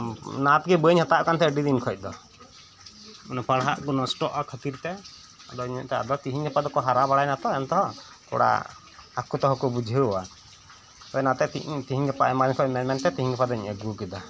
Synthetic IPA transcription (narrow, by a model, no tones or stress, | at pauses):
nat̪̚ɡɛbəəɲhɔt̪aʔkant̪ɛəɖid̪inkʰɔc̚ˀd̪ɔ | ɔnɛpaɽɦaʔɡɔnɔsʈɔʔakʰət̪iɾt̪ɛ | ɔd̪ɔɲɛ̰ʔt̪aa̰d̪ɔt̪iɦiɲɡɛpad̪ɔkɔɦaɾabaɽajnat̪ɔɛnt̪ɔɦɔ | kɔ̰ɽa̰ | akut̪ɔɦɔkɔbud͡ʒʱəɔwa | t̪ɔnat̪ɛḭt̪iɦiɲɡɛpa̰ʔɛmaɾiɲkʰɔc̚mɛmɛnt̪ɛt̪iɦiŋɡɛpad̪ɔɲəɡukid̪ɔ